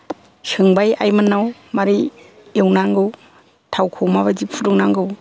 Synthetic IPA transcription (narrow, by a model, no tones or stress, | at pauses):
sɯŋbajajmɯnːawmaɾi | ewnaŋɡɯw | tʰawkʰowmaβazipʰudɔŋnaŋɡɯw